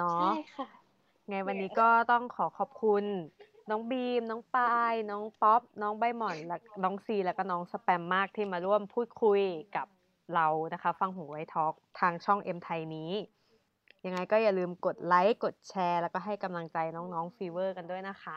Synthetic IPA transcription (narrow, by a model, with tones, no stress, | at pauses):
nɔ˦˥˧ | ŋa˧jwa˧nːiː˦˥kɔː˥˩t̪ɔ˥˩ŋkʰɔː˩˦kʰɔː˨˩p̚kʰu˧nː | ɔː˦˥ŋbiː˧mnɔː˦˥ŋpaː˧jnɔː˦˥ŋpɔ˦˥p̚nɔː˦˥ŋba˧jmɔ˨˩nlɛː˦˥nɔː˦˥ŋsiː˧lɛː˦˥wkɔː˥˩nɔː˦˥ŋsa˧pɛ˧mːaː˥˩k̚t̪ʰiː˥˩maː˧ɾu˥˩əmpʰuː˥˩t̪̚kʰu˧jka˨˩p̚ | ɾa˧wna˦˥kʰa˦˥fa˧ŋɦuː˩˦wa˦˥jt̪ʰɔː˦˥k̚t̪ʰaː˧ŋt͡ɕʰɔ˥˩ŋʔe˧mt̪ʰa˧jniː˦˥ | ja˧ŋa˧jkɔː˥˩ja˨˩lɯː˧mko˨˩t̪̚la˦˥jko˨˩t̪̚t͡ɕʰɛː˧lɛː˦˥wkɔː˥˩ɦa˥˩jka˧mla˧ŋt͡ɕa˧jnɔː˦˥ŋnɔː˦˥ŋfiː˧wɤː˥˩ka˧ndu˥˩əjna˦˥kʰa˦˥